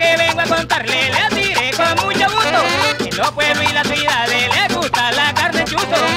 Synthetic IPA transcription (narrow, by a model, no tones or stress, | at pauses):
keβeŋɡoakont̪aɾleleasiɾekoamũɲoɣut̪oelopweβluilaswiðaðeleakust̪alakaɾnent͡ʃuso